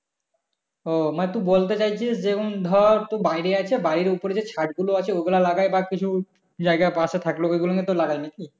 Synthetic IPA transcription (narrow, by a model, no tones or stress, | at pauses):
omat̪ubolt̪et͡ɕajt͡ɕʰisd͡ʑekʰund̪ʱɔɾt̪obajɾeat͡ɕʰebaɾiɾupoɾed͡ʑet͡ɕʰaʈɡuloat͡ɕʰeoɡulalaɡajbakit͡ɕʰu | d͡ʑaeɡapaset̪ʰakloejɡuloŋet̪olaɡajmik̪i